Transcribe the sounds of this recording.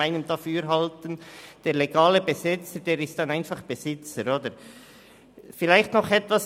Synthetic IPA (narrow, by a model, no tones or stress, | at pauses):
aɪnəmd̥ɑfyːɾɦɑltənd̥eːɾleɡaːləbezɪt͡səɾd̥eːɾɪstd̥ɑnaɪnfɑχb̥ezɪt͡səɾoːdəɾ | fɪlaɪxtnɔχɛtvas